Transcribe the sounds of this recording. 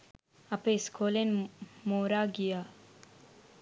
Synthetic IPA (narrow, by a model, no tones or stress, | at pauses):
apeskʰolenmoɾaɡija